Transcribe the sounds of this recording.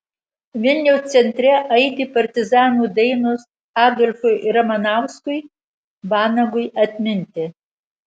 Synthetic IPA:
ʋʲɪlʲnʲɛʊst̪sʲɛnʲt̪ʲɾʲɛʔɐɪd̪ʲiːpɐɾʲt̪ʲɪzɑːnuːd̪ʲɐɪnʊs | ɑːd̪ɔlʲfʊɪɾɐmɐnɑˑʊskʊɪ | bɑːnɐɡʊɪɐt̪ʲmʲɪnʲt̪ʲɪ

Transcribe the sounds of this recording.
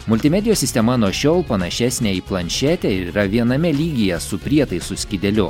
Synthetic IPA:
mʊlʲt̪ʲɪmʲɛd̪ʲɪjoːsʲɪsʲt̪ʲɛmɐnuɔʃʲoːlˠpɐnɐʃʲæsʲnʲɛiplˠɐnʲʃʲæːt̪ʲɛɪɾiːɾɐʋʲiɛnɐmʲɛlʲiːɡʲɪjɛsʊpʲɾʲiɛt̪ɐɪsʊsʲkʲɪd̪ʲɛlʲʊ

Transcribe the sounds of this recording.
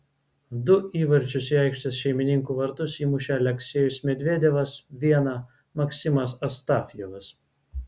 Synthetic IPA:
d̪ʊiːʋɐɾʲt͡ʃʲʊsiːɑˑɪkʃʲt̪ʲɐsʃʲɛɪmʲɪnʲɪŋkuːʋɐɾt̪ʊsiːmʊʃʲæːlʲɛksʲeːjʊsmʲɛd̪ʲʋʲeːd̪ʲeʋɐsʋʲiɛnɐ | mɐksʲɪmɐsɐst̪ɑːfʲjɛʋɐs

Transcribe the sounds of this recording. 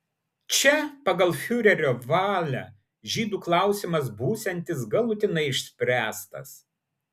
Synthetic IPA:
t͡ʃʲɛpɐɡɐlˠfʲʊɾʲɛɾʲoːʋɑːlʲæ | ʒʲiːd̪uːklˠɑˑʊsʲɪmɐsbuːsʲɛnʲt̪ʲɪsɡɐlˠʊt̪ʲɪnɐɪɪʃʲsʲpʲɾʲæːst̪ɐ̰s

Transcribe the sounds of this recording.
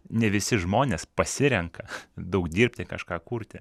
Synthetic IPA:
nʲɛʋʲɪsʲɪʒmoːnʲeːspɐsʲɪɾʲɛŋkɐd̪ɐʊkd̪ʲiːɾʲpʲt̪ʲɪkɐʃkɑːkuːɾʲt̪ʲɪ

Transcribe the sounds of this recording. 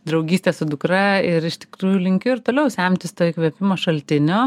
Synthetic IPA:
d̪ɾɐʊɡʲiːsʲt̪ʲeːsʊd̪ʊkɾɐɪɾɪʃt̪ʲɪ̥kɾuːjulʲɪŋʲkʲʊɪɾt̪oːlʲɛʊsʲæmʲt̪ʲɪst̪oːɪkʋʲɛpʲɪmoːʃɐlʲt̪ʲɪnʲoː

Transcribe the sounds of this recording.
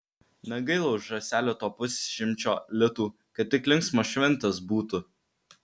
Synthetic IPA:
nʲɐɡɐɪlˠɐʊʒɾɐsʲæːlʲot̪oːpʊsʲʃʲɪmʲt͡ʃʲo̰ːlʲɪt̪uː | kɐt̪̚ːʲɪklʲɪŋksmoːʃʲʋʲɛnʲˑt̪ɐsbuːt̪ʊ

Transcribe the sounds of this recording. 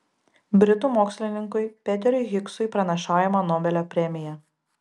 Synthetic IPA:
bʲɾʲɪt̪uːˑmoːksʲlʲɪnʲɪŋkʊɪpʲɛt̪ʲɛɾʲʊɪɣʲɪksʊɪpɾɐnʲɐʃɑːjɛmɐnoːbʲɛlʲopʲɾʲɛmʲɪjɛ

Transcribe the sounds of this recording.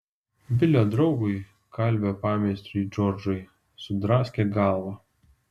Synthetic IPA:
bʲɪlʲoːd̪ɾɒʊɡʊɪ | kʰɐlʲbʲopɑːmʲɛsʲt̪ʲɾʲʊd͡ʒɔɾd͡ʒʊɪ | sʊd̪ɾɑːsʲkʲeɡɑˑlˠʋɐ

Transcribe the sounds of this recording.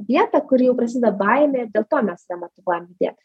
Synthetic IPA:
ʋʲiɛt̪ɐkʊɾʲjɛʊpɾɐsʲiːd̪ɐbɑɪmʲeɪɾd̪ʲeːlˠt̪oːmʲɛsnʲɛmɐt̪ʊʋoɔjɛmdʲɪd̪ʲḛːt̪ʲ

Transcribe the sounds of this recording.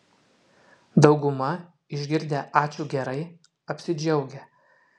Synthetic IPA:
d̪ɒʊɡʊmɐ | ɪʒʲɡʲɪɾʲd̪ʲeːʔɑːt͡ʃʲuːˑɡʲɛɾɐɪ | ɐpʲsʲɪd͡ʒʲɛʊɡʲɛ

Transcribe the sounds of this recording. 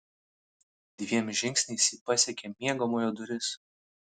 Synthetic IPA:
d̪ʲʋʲiɛmʒʲɪŋʲksʲnʲɛɪsʲiːpɐsʲɛkʲemʲiɛɡomojod̪ʊɾʲɪs

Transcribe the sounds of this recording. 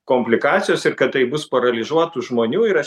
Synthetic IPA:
koːmʲpʲlʲɪkɑːt͡ssʲɪjoːsɪɾkɐt̪tɐɪbʊspɐɾɐlʲɪzuɔt̪uʒmoːnʲuːɪɾɐ

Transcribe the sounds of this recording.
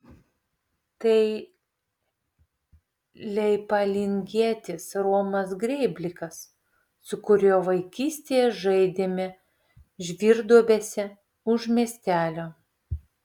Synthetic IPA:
t̪ɐɪ | lʲɛɪpɐlʲɪŋʲɡʲiɛt̪ʲɪsɾoɔmɐs̬ɡɾʲɛɪbʲlʲɪkɐs | sʊkʊɾʲoːʋɐɪkʲiːsʲt̪ʲeːjɛʒɐɪd̪ʲeːmʲɛ | ʒʲʋʲiːɾd̪uɔbʲeːsʲɛ | ʊʒmʲiɛsʲt̪ʲæːlʲoː

